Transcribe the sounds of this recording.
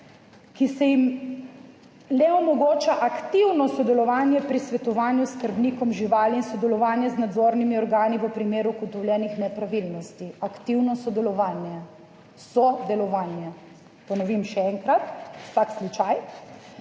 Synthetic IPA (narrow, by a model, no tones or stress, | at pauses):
kisɛjim | lɛɔmɔɡoːt͡ʃaʔakt̪iwnɔsɔd̪ɛlɔʋaːnjɛpɾisʋɛt̪ɔʋaːnjuskəɾbniːkɔmʒiʋaːliinsɔd̪ɛlɔʋaːnjɛznad̪zoːɾnimiɔɾɡaːniʋəpɾimeːɾukɔt̪ɔwlʲjɛːnixnɛpɾaʋilnɔst̪iakt̪iwnɔsɔd̪ɛlɔʋaːnjɛ | sɔd̪ɛlɔʋaːnjɛ | pɔnɔʋimʃɛɛŋkɾat̪wsakslut͡ʃaj